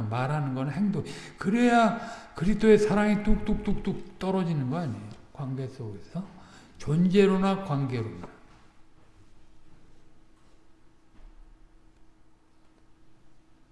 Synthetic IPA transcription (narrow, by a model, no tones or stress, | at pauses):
maɾɦanɯnɡʌnɦeŋdoŋikɯɾe̞jakɯɾisdoe̞sʰaɾaŋituk̚t͈uk̚t͈uk̚t͈uk̚t͈ʌɾʌd͡ʑinɯnɡʌaɲijjokwaŋɡe̞s͈oɡe̞sʰʌt͡ɕʌnd͡ʑe̞ɾonakwaŋɡe̞ɾona